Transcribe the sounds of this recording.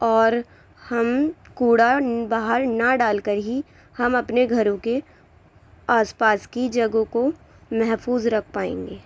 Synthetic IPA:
ɔːɾ | hɐmkuːɽabaːɦəɾnaɖaːlkəɾɦi | hɐmɐpneɡʱɐɾõke | aːspaːskid͡ʒɐɡõko | mɛɦfuːzɾɐkʰpaːḛ̃ːŋɡeː

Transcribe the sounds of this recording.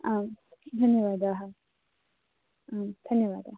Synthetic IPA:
aːmd̪ʱɐnjəʋaːd̪aːɦɐ | aːmd̪̥ʱɐnjəʋa̰ːd̪aːɦ

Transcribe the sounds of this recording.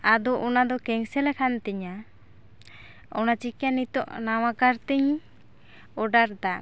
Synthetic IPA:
ad̪ɔʔɔnad̪ɔkɛŋsɛlɛkʰant̪ɛɲa | ɔnat͡ʃikjanit̪ɔʔnawakaɾt̪iɲ | ɔɖaɾd̪a

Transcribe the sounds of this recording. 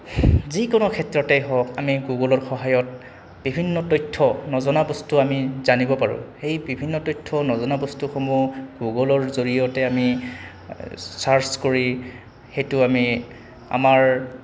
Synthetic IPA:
zikɔnɔkʰɛtɹɔtɛɦɔkamiɡuɡɔlɔɹxɔɦajɔt̚ | b̥ibʱinːɔtɔjtʰːɔnɔzɔnabɔstuamizanibɔpaɹʊ̰̃xejbibʱinːɔtɔjtʰːɔnɔzɔnabɔstuxomuɡuɡɔlɔɹzoɹijɔtɛami | saɹskoɹi | xejtʊami | a̰maɹ

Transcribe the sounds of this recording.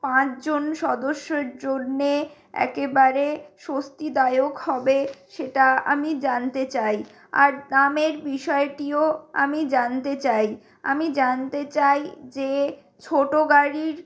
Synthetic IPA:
pãt͡ɕd͡ʑonʃɔd̪oʃːeɾd͡ʑonːe | ɛ̰kebaɾeʃost̪id̪aeokhɔbeʃeʈaa̰mid͡ʑant̪et͡ɕaj | a̰ɾnameɾbiʃɔeʈioa̰mid͡ʑant̪et͡ɕaj | a̰mid͡ʑant̪et͡ɕajd͡ʑe | t͡ɕʰoʈoɡaɾiɾ

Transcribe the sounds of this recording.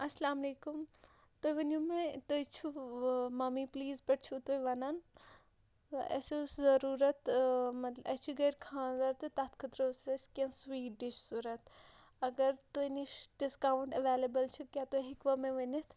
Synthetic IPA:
ɐslaːmɐleːkum | t̪oʋɐnumẽt̪ojt͡ʃʰumɐmipliːzpɐʈt͡ʃʰut̪oiʋɐnan | ɐ̰seszɐɾuːɾɐt̪mɐt̪lɐt͡ʃʰuɡɐɾkʰãːzɐɾt̪ɨt̪at̪ʰkʰɐt̪ɾɐsɐskʲɐ̃nsʋiːʈɖiʃsuɾɐt̪ʰ | ɐɡɐɾt̪oiniʃɖiskaːwɳʈɐʋeːlebɐlt͡ʃʰukʲaːt̪oɦikʋamẽʋɐnɐt̪ʰ

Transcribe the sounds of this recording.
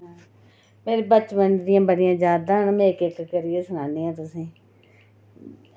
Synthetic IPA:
ɦː | meːɾeːbət͡ʃbənd̪ɪjãːbəɽɪjãːd͡ʒjaːd̪aːɦənmẽːkɪkːkəɾɪjeːsʊnãːnijãːt̪ʊsĩː

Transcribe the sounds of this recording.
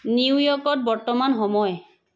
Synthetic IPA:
niwjɔkɔt̚bɔɹtɔmanɦɔmɔj

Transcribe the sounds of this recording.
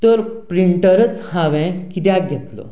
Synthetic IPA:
t̪əɾpɾiɳʈəɾət͡shaʋɛ̃kit̪jãk̚ɡʱɛt̪lo̰

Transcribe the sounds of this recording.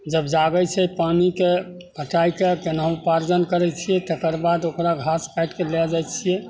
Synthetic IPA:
d͡ʒəbd͡ʒaɡət͡ʃʰɛpanike | pəʈaikekenaũpaɾd͡ʒənkəɾɛt͡ʃʰijɛt̪əkəɾbad̪okɾaɡʱaspajʈkelɛd͡ʒajt͡ʃʰijɛ

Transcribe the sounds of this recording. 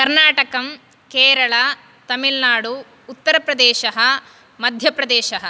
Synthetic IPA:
kɐɾnaːʈɐkɐm | keːɾɐɭɐ | t̪ɐmilnaːɽuː | t̪ːɐɾɐpɾɐd̪ɛːʃɐɦɐ̆ | mɐd̪ʱjɐpɾɐd̪ɛːʃɐɦɐ

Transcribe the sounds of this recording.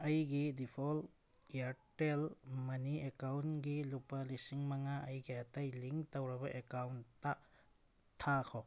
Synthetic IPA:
ɐjɡidipʰol | iaɾtelmɐniekawnɡilupɐlisiŋmɐŋaɐjɡiɐtɐjliŋktɐwɾɐbɐʔekawntːa | tʰːakʰo

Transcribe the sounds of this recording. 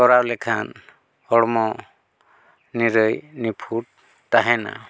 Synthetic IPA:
ɔɾawlɛkʰan | hɔɽmɔ | niɾəjnipʰuʈ̚ | t̪aɦɛna̰

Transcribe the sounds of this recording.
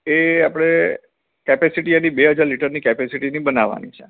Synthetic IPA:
eapəɽ̃e | kɛpesiʈianibeɦəd͡ʒaɾliʈəɾnikɛpesiʈinibənaʋa̰nḭt͡ʃʰe̥

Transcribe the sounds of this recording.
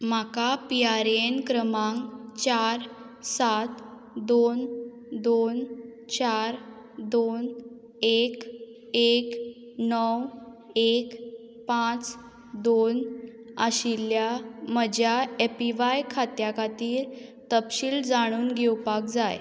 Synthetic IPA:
m̤akapiaɾenkɾəmãŋɡt͡ɕaɾ | sat̪ | d̪on | d̪ont͡ɕaɾ | d̪on | ek | ek | nəw | ek | pãt͡s | d̪on | əɕiljaməd͡ʑʱjaepiʋajkʰat̪jakat̪iːɾt̪əpɕiːld͡zaɽ̃uːnɡʱewpak̚d͡zaj

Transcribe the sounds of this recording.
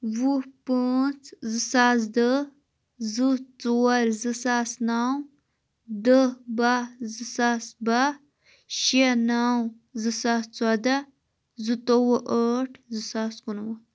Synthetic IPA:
wupət͡szɨsas̬d̪ə | zɨt͡sowɾzɨsasnaw | d̪əbazɨsasba | ʃenaw | zɨsaːst͡swad̪a | zɨt̪owəʔəʈʰzɨsaːskunwa

